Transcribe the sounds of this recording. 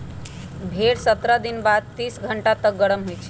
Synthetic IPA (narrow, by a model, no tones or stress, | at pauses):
bʱeɽsət̪ɾəd̪inbad̪̚t̪iːsɡʱəɳʈat̪ək̚ɡəɽəmɦojt͡ʃʰe